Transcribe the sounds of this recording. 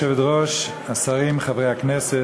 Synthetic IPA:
ɛvɛdʁoʃ | asaʁimχavʁejhaknɛse

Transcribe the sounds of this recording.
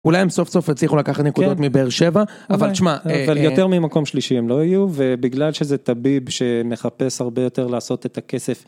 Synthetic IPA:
ulajemso̞fso̞fet͡sliχulakaχat̪nekud̪o̞t̪mibeʁʃe̞va | avalʃmaavaljot̪eʁmimako̞mʃliʃiemlo̞ajuvebiɡlalʃezet̪abibʃe̞me̞χape̞shaʁbejo̞te̞ʁlaːso̞t̪et̪ake̞se̞f

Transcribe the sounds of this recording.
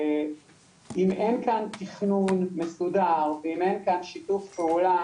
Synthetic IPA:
imenkant̪iχnunmesudaʁveimenkanʃitufpeula

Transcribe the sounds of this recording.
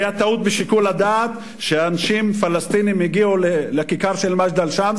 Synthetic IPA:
jat̪aut̪̚beʃikulad̪aːt̪ | ʃeanaʃimfalast̪inimjiɡiulelekikaʁʃelmaʃd̪alʃam

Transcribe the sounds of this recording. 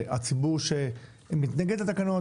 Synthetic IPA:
a̰t͡sibuʁʃe | mit̪naɡed̪at̪akano

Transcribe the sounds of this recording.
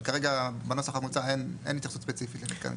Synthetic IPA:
kaʁeɡabenosaχamut͡saenḛnit̪iχsutspet͡sifit̪leɡitka̰n

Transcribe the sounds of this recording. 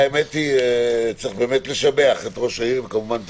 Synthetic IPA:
emet̪it͡sʁiχbe̞ːmetle̞ʃabeaχet̪ʁo̞ʃaivkamuvant̪

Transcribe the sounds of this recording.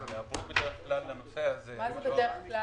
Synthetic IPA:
neabʁubed̪eʁeχklallanoseazemazebedeeχkla

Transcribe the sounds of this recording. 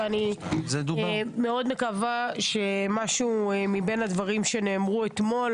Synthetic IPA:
anized̪ume̞o̞d̪me̞kavaʃe̞maʃumibe̞nad̪vaʁimʃe̞neːmʁuet̪mo̞l

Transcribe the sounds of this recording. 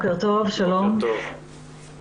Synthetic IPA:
keʁt̪ovʃalom

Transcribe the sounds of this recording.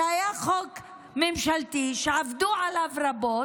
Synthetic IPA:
ajaχok | memʃalt̪iʃeʕavd̪uʕalavɾabo

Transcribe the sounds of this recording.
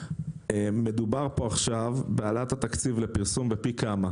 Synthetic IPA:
eme̞d̪ubaʁpo̞aχʃavbealat̪hat̪akt͡sivlepiʁsumbepikama

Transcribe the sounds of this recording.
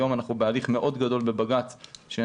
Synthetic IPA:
o̞manaχubealiχme̞ʔo̞d̪ɡado̞lbe̞baɡat͡sʃe

